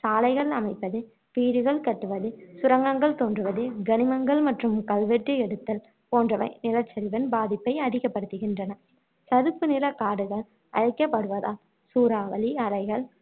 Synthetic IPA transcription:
saːlɐɪɣɐɭɐmɐɪpːɐðɯ | ʋiːɽɯɣɐɭkɐʈːɯʋɐðɯsʊɾɐŋɡɐŋɡɐɭt̪oːndrɯʋɐðɯɡɐnɪmɐŋɡɐɭmɐʈrɯmkɐlʋɛʈːɯɛɽɯt̪ːɐl | poːndrɐʋɐɪnɪlɐt͡ʃːɐɾɪʋɐnbaːðɪpːɐɪɐðɪɣɐpːɐɽɯt̪ːɯɣɪndrɐnɐ | sɐðɯpːɯnɪlɐkaːɽɯɣɐɭ | ʔɐ̰ɻɐɪkːɐpːɐɽɯʋɐða̰ː | suːɾaːʋɐliɐɾɐɪɣɐɭ

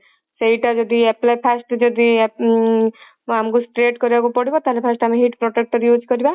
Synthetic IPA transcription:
seɦiʈad͡ʒɔd̪ieplajpʰasʈd͡ʒɔd̪i | amkusʈɾeʈkɔɾiabupɔɽibɔt̪aɦelepʰasʈamiɦiʈpɾɔʈek̚ʈɔɾjud͡ʒkɔɾiba

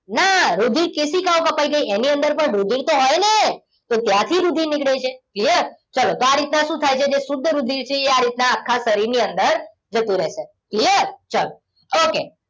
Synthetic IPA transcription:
naɾud̪ʱiɾkɪsikaõkəpaiɡəiʔeniənd̪əɾpəɳɾud̪ʱiɾt̪oɦɔjne | t̪ot̪jãt̪ʰiɾud̪ʱinɪkɽet͡ʃʰeklijəɾt͡ʃəlot̪oaɾit̪naʃũt̪ʰajt͡ʃʰed͡ʒesʊd̪ʱːɾud̪ʱiɾt͡ʃʰeeaɾit̪naːkʰːasəɾiɾniənd̪əɾ | d͡ʒət̪ũɾɛɦʃe | kliəɾt͡ʃəlo | okḛ

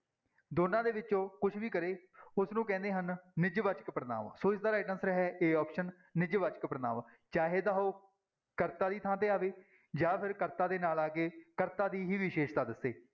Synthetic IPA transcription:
d̪oːnãːd̪eːʋɪt͡ʃõːkʊt͡ʃʰʋiːkəɾeːʊsnũːkɛ̃ːnd̪eːɦənnɪd͡ʒʋət͡ʃəkpɾəna̰ːʋsoːɪsd̪aːɾaːʈənsɾəɦɛːʔeːɔːpʃənː | ɪd͡ʒʋat͡ʃə̥kpɾəna̰ːʋ | t͡ʃaːɦeːd̪aːɦoː | kəɾt̪aːd̪iːt̪ʰãːt̪eːaːʋeː | d͡ʒaːpʰɪɾkəɾt̪aːd̪eːnaːlaːkeːkəɾt̪aːd̪iːɦiːʋiːʃeːʃt̪aːd̪əsːeː

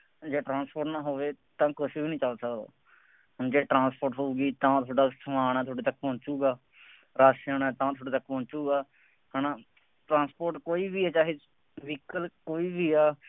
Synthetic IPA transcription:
d͡ʒeːʈɾãːspoːɾʈnãːɦoːʋeːt̪ãːkʊsiːnĩːt͡ʃaːsəkd̪o̰ː | d͡ʒeːʈɾãːnspoːɾʈɦouːɡiːt̪ãːt̪ʰoːɖaːsʰũaːnaːt̪ʰoːɽeːt̪əkːpɔ̃ːnt͡ʃuːɡaː | ɾaːsaːnãːt̪ãːt̪ʰoːɽeːt̪əkːpɔ̃ːt͡ʃuːɡaː | hənãː | ʈɾãːnspoːɾʈkoːiːbiːɛːt͡ʃaːɦeː | ʋikəlkoːiːbiːaː

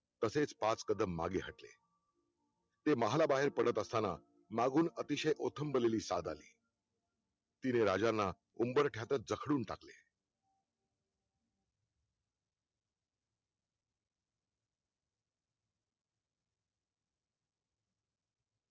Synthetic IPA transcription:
t̪əset͡spat͡skəd̪əmːa̰ɡeɦəʈlḛ | t̪eməɦalabaɦeɾpəɽət̪əst̪ana | maɡuːnət̪iɕəjʔot̪ʰəmbəleliːsad̪a̰lḭː | t̪ineɾad͡ʑanːa | umbəɾʈʰjat̪ət̪̚d͡zəkʰɽuːnʈakle

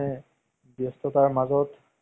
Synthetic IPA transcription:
ɛ | bjɔst̪ɔtaɹmazɔt

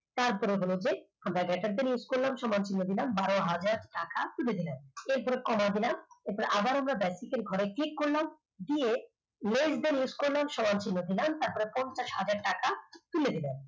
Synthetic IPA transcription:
t̪aɾpɔɾebolod͡ʑe | amɾaɡɛʈaɾd̪eɾjuskoɾlamʃɔmant͡ɕʰinːod̪ilambaɾoɦad͡ʑaɾʈakat̪uled̪ilameɾpɔɾekɔmad̪ilameɾpɔɾeʔabaɾamɾabɛsikeɾɡʱɔɾeklikːoɾlam | d̪ije | lesd̪eɾjuskoɾlamʃɔmant͡ɕʰinːod̪ilamt̪aɾpɔɾepɔnt͡ɕaʃɦad͡ʑaɾʈakat̪uled̪ilem

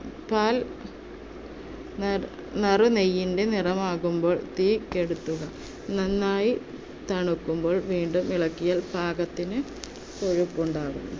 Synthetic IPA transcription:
paːl | nɐrunejːinde̞nirɐmaːɣumbo̞ːɭt̪iːkːe̞ɽut̪ːuɣɐ | nɐnːaːji | t̪ɐɳukːumbo̞ːɭʋiːɳɖumiɭɐkːijaːlbʱaːɡɐt̪ːinɨ | koɻupːuɳɖaːɣṵm

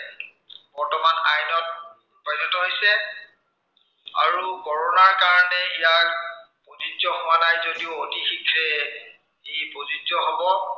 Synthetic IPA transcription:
bɔɹtɔmanajnɔt̚ | pajzɔtɔɦojsɛ | a̰ɹukɔɹɔnaɹkaɹɔnɛijak̚ | poziɔɦʊwanajzodiʊotixikʰɹɛ | ejpozid͡ʒɔɦɔbɔ

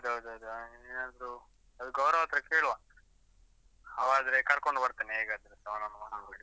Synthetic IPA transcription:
ɐd̪uɐd̪ɐd̪uinɐnd̪ɾu | ɐd̪uɡɐwɾɐʋat̪ɾɐkeːɭʋan | ɐʋaːd̪ɐɾekɐɾkoɳɖbɐɾt̪aneɦeːɡaːd̪ɐɾesɐʋɐnɐnɐmɐnɐbeːɽi

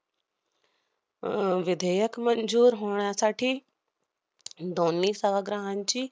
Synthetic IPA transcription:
ʋɪd̪ʱəjəkmɐ̃nzuːɾɦoːɳ̃jasaːʈʰi | d̪ʱoːnːisəʋaɡɾãːɦənt͡ɕiː

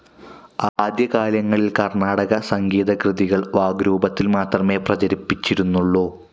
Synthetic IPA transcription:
aːd̪jɐɣaːljɐŋːɐɭilkɐrɳaːɽɐɣɐsɐŋɡiːðɐkrɨðiɣɐɭʋaːɡɾuːbɐt̪ːilmaːt̪rɐme̞ːprɐt͡ɕɐɾipːit͡ɕːiɾunːuɭːoː

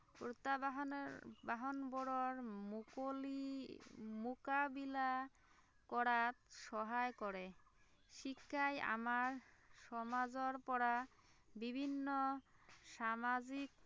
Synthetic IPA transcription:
pɾot̪aɦbaɦonboɾɔɾmkoli | mukabila | kɔɽat̪ʃɔɦaekɔɾe | ʃikʰːaja̰maɾʃɔmad͡zɔɾpɔɽa | bibʱinːoʃamad͡ʑik̚

